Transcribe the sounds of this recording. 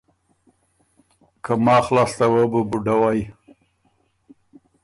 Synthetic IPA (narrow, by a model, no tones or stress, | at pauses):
kʰamɑːxlɑːst̪awəbubuɖawaj